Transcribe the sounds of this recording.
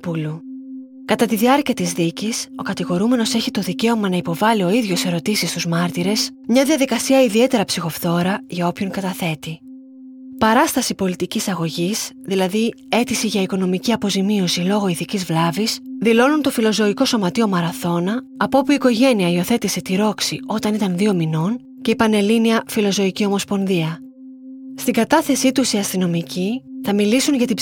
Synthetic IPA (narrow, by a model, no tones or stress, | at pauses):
pulu | kɐt̪ɐt̪iðiɐɾciɐt̪izðiciso̞kɐt̪iɣo̞ɾume̞no̞se̞çit̪o̞ðice̞o̞mɐnɐipo̞vɐlio̞iðʝo̞se̞ɾo̞t̪isist̪uzmɐɾt̪iɾe̞smɲɐðiɐðikɐsiɐiðie̞t̪e̞ɾɐpsixo̞fθo̞ɾɐʝɐo̞pço̞ŋkɐt̪ɐθe̞t̪i | pɐɾɐst̪ɐsipo̞lit̪icisɐɣo̞ʝis | ðilɐði | e̞t̪isiʝɐiko̞no̞miciɐpo̞zimio̞silo̞ɣo̞iθicizvlɐvisðilo̞nunt̪o̞filo̞zo̞iko̞so̞mɐt̪io̞mɐɾɐθo̞nɐː | popuiːko̞ʝe̞niɐio̞θe̞t̪ise̞t̪iɾo̞ksḭʔo̞t̪ɐnit̪ɐnðio̞mino̞n | ce̞ipɐne̞liniɐfilo̞zo̞icio̞mo̞spo̞nðiɐ | st̪iɡɐt̪ɐθe̞sit̪usiɐst̪ino̞miciθɐmilisunʝɐt̪i